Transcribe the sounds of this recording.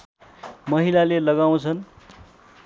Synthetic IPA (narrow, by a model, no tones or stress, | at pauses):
mʌɦilalelʌɡaw̃t͡sʰʌn